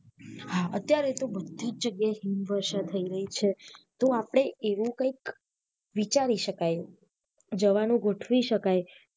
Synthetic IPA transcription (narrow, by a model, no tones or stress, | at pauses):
haət̪jaɾet̪obəd̪ʱid͡ʒd͡ʒəɡjaeɦimʋəɾʃat̪ʰəiɾəɦit͡ʃʰet̪oapəɽ̃eʔeʋũkəik | ʋit͡ʃaɾiʃəkaj | d͡ʒəʋanũɡoʈʰʋiʃəkaj